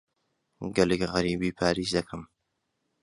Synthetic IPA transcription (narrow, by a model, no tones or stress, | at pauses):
ɡɐlekɣɐɾiːbiːpʰaːɾiːʒd̪ɐkʰɨm